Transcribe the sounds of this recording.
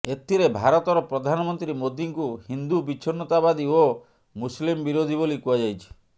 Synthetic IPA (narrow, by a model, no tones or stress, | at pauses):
et̪ʰiɾebʱaɾɔt̪ɔɾɔpɾɔd̪ʱanɔmɔnt̪ɾimod̪iŋkuhind̪ubit͡ʃʰːɔnːɔt̪abad̪io | muslimbiɾod̪ʱibolikuad͡ʒajt͡ʃʰi̥